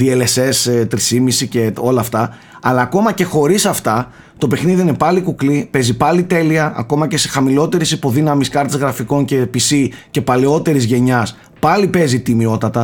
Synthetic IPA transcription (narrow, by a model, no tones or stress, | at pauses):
ðie̞le̞se̞st̪ɾisimisice̞o̞lɐːft̪ɐ | ɐlɐːko̞mɐce̞xo̞ɾisɐft̪ɐ | t̪o̞pe̞xniðiinepɐlikuklipe̞zipɐlit̪e̞liɐɐ̰ko̞mɐce̞sexɐmilo̞t̪e̞ɾisipo̞ðinɐmiskɐɾt̪ezɣɾɐfiko̞nce̞pisice̞pɐleo̞t̪e̞ɾizʝe̞ɲɐs | pɐlipe̞zit̪imio̞t̪ɐt̪ɐ